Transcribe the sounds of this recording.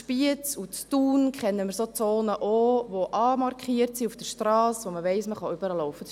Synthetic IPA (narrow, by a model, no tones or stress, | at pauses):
ʃpiət͡sut͡stuːnkχɛnːəmɪɾsot͡soːnəʔoʋoʔɑːmɑrkχiəɾtsiufd̥əɾʃtɾɑːsʋoməʋɛɪsməχɑʏbəɾɑlːɔwfə